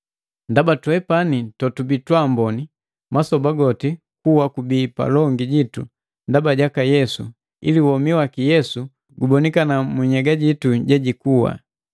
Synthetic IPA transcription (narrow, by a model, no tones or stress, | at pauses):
ndabatwɛpanitɔtubitwambɔni | masɔbaɡɔti | kuwakubiːpa̰lɔŋɡiɟitu | ndabaɟakajɛsu | ḭliwɔmiwakijɛsu | ɡubɔnikanamuɲɛɡaɟituɟɛɟikuwa̰